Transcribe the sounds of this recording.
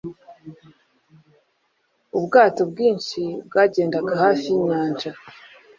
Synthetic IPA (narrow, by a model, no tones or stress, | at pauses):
ubɡaːto̞bɡiːnʃibɡaːɟe̞ːndaɡahaːfiiɲaːnd͡ʒa